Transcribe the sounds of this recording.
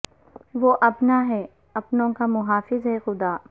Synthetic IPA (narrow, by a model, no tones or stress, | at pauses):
ʋoːʔɐpnaɦɛː | ɐpnõkamʊɦaːfɪzɦɛxʊd̪aː